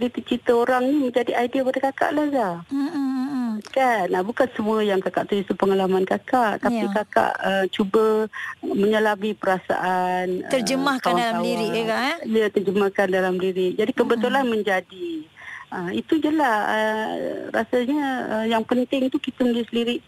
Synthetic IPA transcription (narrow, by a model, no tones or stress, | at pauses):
dit̪ut͡ʃit̪əoɾaŋniməɲd͡ʒadiaidiapadakaka̰ʔlahɡa | kanabukansəmuəjaŋkakaʔt̪uust̪upəŋalamankakaʔt̪aikaka̰ʔət͡ʃubə | məɲəlabipəɾasa̰ʔant̪ərd͡ʒəmahkawdalamliɾɪʔkaijət̪ərd͡ʒəmahkandalamliɾɪʔ̚d͡ʒadikəbət̪ulanmə̃ɲd͡ʒadi | əmit̪ud͡ʒəlahə̰ɾa̰saɲəəjaŋpənt̪ɪŋt̪ukit̪əmələsliɾɪʔ